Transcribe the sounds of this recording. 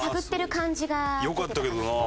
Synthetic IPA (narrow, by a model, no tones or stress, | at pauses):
taɡɯ̟t̪ːe̞ɾɯ̟kãɲd͡ʑiɡajokat̪ːake̞d̪ona